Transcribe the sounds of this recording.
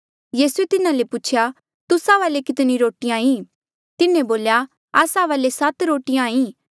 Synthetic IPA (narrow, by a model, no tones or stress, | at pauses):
jiːsuet̪ɪnãlepʊt͡ʃʰja | t̪ʊsaʋaːlekɪt̪niɾoːʈijãːĩː | t̪ɪnẽboːlja | aːsaʋaːlesɐt̪ɾoːʈijãːĩː